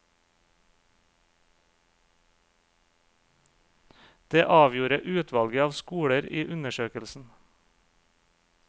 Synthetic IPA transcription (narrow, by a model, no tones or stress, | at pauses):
d̪̥eːʔɑːʋjuːɾəʔʉːt̪ʰʋɑlɡəɑːʋskuːɽəɾiːʔʉnəʃøːkəlsn̩